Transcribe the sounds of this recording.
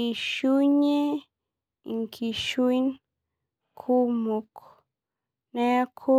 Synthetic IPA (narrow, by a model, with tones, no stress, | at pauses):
ʃu˦ɲe˦ | i˨ŋkʰi˨ʃu˦i˦n | kʰu˦mo˨k | ne˦a˦kʰo˦